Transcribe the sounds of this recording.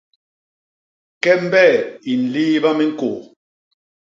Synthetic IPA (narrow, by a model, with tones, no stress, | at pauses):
kɛ˦m̩˦bɛ˦˨i˨n̩˨li˦βa˦mɛ˦ŋ̩˦ko˨